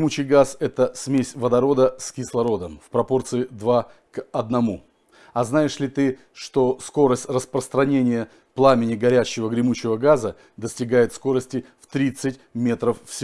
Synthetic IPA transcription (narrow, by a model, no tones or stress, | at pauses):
mut͡ɕɪjɡasɛt̪əsmʲesʲvəd̪ɐɾo̞d̪əskʲɪslˠɐɾo̞d̪əmfpɾɐpo̞rt̪sɨɪd̪va | kɐd̪̚nɐmu | ɐznajɪʂlʲɪt̪ɨ | ʂt̪o̞sko̞ɾəsʲtʲrəspɾəst̪ɾɐnʲenʲɪjə | plˠamʲɪnʲɪɡɐɾʲæɕːɪvəɡɾʲɪmut͡ɕɪvəɡazə | d̪əsʲtʲɪɡajɪt̪sko̞ɾəsʲtʲɪft̪ɾʲit̪sɨtʲmʲe̞t̪ɾəfːsʲɪ